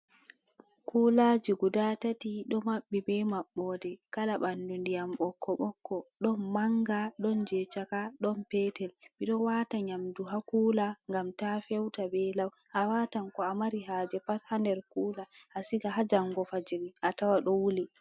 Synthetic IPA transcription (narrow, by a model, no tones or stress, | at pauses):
kʰulad͡ʒiɡudatatiɗɔmaɓːibɛmaɓːɔdɛkalaɓandundijamɓɔkʰːɔɓɔkːɔɗɔnmaŋɡaɗɔnd͡ʒɛt͡ʃakaɗɔnpɛtɛlɓiɗɔwataɲamduɦakuːlaŋɡamtafɛwtabɛlaw | ʔawatankɔamaɾiɦaːd͡ʒɛpathandɛɾkuːlaʔasiɡaɦad͡ʒaŋɡɔfad͡ʒiɾiʔatawaɗɔwuli